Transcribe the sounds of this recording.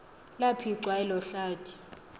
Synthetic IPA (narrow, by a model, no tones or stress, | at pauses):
lapʰiǀwaɛlɔɬaːtʰʼi̥